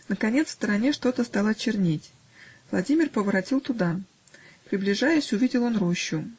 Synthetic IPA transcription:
nəkɐnʲe̞t̪sfst̪əɾɐnʲeʂt̪o̞t̪əst̪ɑlˠɐt͡ɕːɪrnʲetʲ | vlˠɐdʲimʲɪrpəvəɾɐtʲilˠt̪ʊd̪a | pɾʲɪblʲɪʐajʊsʲʊvʲidʲɪlˠo̞nroɕːʊ

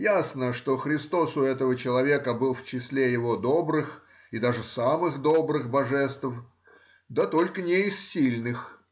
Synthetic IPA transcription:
jasnəʂt̪o̞xɾʲɪst̪o̞sʊɛt̪əvət͡ɕɪlˠɐvʲe̞kəbɨlˠft͡ɕɪsʲlʲejɪvo̞d̪o̞bɾɨx | ɪd̪aʐɨsamɨxd̪o̞bɾɨxbɐʐɛst̪f | d̪at̪o̞lʲkənʲɪɪssʲilʲnɨx

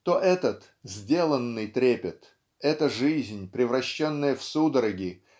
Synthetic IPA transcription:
t̪o̞ʔɛt̪ət̪ | zʲdʲe̞lˠənːɨjt̪ɾʲepʲɪt̪ | ɛt̪əʐɨzʲnʲpɾʲɪvɾɐɕːonːɨjəfsud̪əɾɐɡʲi

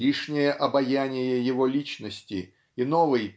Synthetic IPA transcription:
iʂnʲɪjəʔɐbɐjanʲɪjəjɪvolʲit͡ɕnəsʲtʲɪ | inovɨj

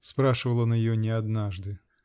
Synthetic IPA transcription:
spɾaʂɨvəlˠənjɪjonʲɪɐd̪naʐd̪ɨ

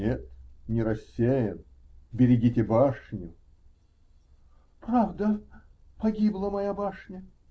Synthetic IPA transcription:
et̪nʲɪɾɐsʲːejən | bʲɪɾʲɪɡʲitʲɪbaʂnʲʊ | pɾavd̪ə | pɐɡʲiblˠəmɐjabaʂnʲə

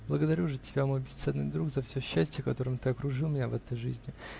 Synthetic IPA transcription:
blˠəɡəd̪ɐɾʲuʐɨtʲɪbʲamo̞jbʲɪst̪sɛnnːɨ̰jd̪ɾukzɐfsʲɵɕːæsʲtʲjəkɐt̪o̞ɾɨmt̪ɨɐkɾʊʐɨlˠmʲɪnʲavɛt̪əjʐɨzʲnʲɪ

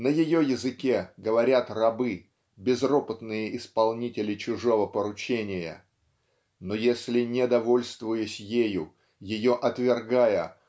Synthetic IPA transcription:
nəjɪjojɪzɨkʲeɡəvɐɾʲat̪rɐbɨ | bʲɪzro̞pət̪nɨjəʔɪspɐlˠnʲitʲɪlʲɪt͡ɕʊʐo̞vəpəɾʊt͡ɕenʲɪjə̰ | nojesʲlʲɪnʲɪd̪ɐvo̞lʲst̪vʊjʊsʲjejʊ | jɪjo̞ʔɐt̪vʲɪrɡajə

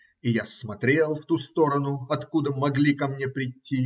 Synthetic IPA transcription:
ɪjasmɐt̪ɾʲe̞lˠft̪ust̪o̞ɾənʊɐt̪kud̪əmɐɡlʲikɐmnʲepɾʲɪtʲːi

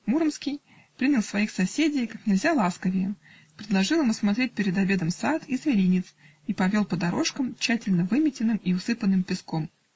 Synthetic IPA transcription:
muɾəmskʲɪj | pɾʲinʲɪlˠsvɐixsɐsʲedʲɪjkaknʲɪlʲzʲalˠaskəvʲɪjɪ | pɾʲɪd̪lˠɐʐɨlˠɨmɐsmɐt̪ɾʲet̚ʲpʲɪɾʲɪd̪ɐbʲe̞d̪əmsat̪ʰizvʲɪɾʲinʲɪt̪s | ipɐvʲo̞lˠpəd̪ɐɾo̞ʂkəmt͡ɕːætʲɪlʲnəvɨmʲɪtʲɪnːɨmiʊsɨpənːɨmpʲɪskom

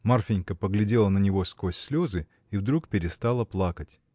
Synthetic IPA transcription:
marfʲɪnʲkəpəɡlʲɪdʲe̞lˠənənʲɪvo̞skosʲsʲlʲo̞zɨ | ivd̪ɾukpʲɪɾʲɪst̪alˠəplˠakətʲ

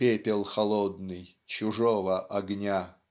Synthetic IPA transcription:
pʲepʲɪlˠxɐlˠɔd̪nɨj | t͡ɕʊʐɔvəʔɐɡnʲa

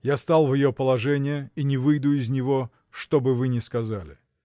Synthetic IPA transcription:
jast̪alˠvʲjɪjopəlˠɐʐɛnʲɪjəinʲɪvɨjd̪ʊɪzʲnʲɪvo | ʂt̪o̞bɨvɨnʲɪskɐzalʲɪ̰

